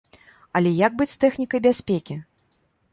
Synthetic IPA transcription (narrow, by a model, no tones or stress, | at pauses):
ɐlʲɛjaɡ̚bɨt͡sʲst̪ɛxnʲikɐjbʲasʲpʲekʲi